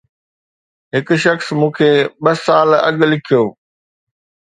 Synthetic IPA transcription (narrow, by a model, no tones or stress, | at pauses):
ɦɪk̆ʃɐxsmũːkʰeːɓɐsaːlɐ̰ɠlɪkʰijoː